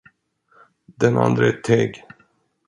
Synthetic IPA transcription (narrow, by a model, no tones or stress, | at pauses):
d̪ɛna̰nd̪ɾəɛt̪ʰeːɡ